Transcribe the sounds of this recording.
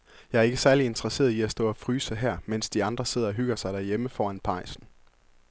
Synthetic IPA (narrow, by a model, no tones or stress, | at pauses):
jɑ̈ɪɐe̝ɡ̥əsæɐlie̝nd̥ʰʁɐse̝̰ːɐiæsd̥ɔ̰̽ːɒfʁyːsəɦæɐ̰men̰sd̥iɑ̈nd̥ʁɐse̝ð̞̰ˠɐɒ̽ɦyɡ̥ɐsɑ̈ɪɾ̥æɐjeməfɒːænpʰɑ̈ɪsn̩